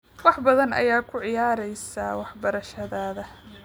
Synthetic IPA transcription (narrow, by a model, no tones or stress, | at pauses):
wɑħbɐðɐnʔɐ̰jaːkʰʊʕɪjaːɾɛjsawɑħbɐɾɐʃɐðaːðɐ